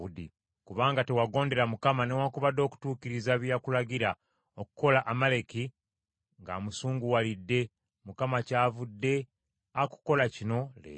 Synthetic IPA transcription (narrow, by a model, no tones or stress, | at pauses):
udḭ | kuβaːŋɡate̞waɡo̞ːnde̞ɾamukamanewakuβad̪o̞ku̥tuːkiɾizaβjakulaɡiɾa | okuko̞laʔamale̞ki | ŋɡa̰musuːŋɡuwalidːe̞ | mukamacaːvudːe̞ | aku̥ko̞lacino̞lḛ